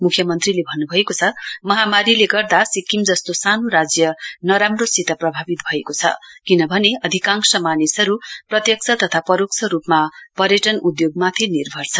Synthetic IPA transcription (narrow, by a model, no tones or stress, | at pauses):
mukʰjʌmʌnt̪rilebʱʌnːubʱʌekot͡sʰʌmʌɦamaɾileɡʌrd̪asikːimd͡zʌst̪osanoɾad͡zjʌnʌɾamrosit̪ʌprʌbʱabit̪bʱʌekot͡sʰʌ̰kinʌbʱʌneʌd̪ʱikãŋksʌmanisʌɾuprʌt̪jʌk̚t͡sʰʌt̪ʌt̪ʰapʌɾokt͡sʰʌɾupmapʌɾjʌʈʌnud̪joɡ̚mat̪ʰenirbʱʌrt͡sʰʌ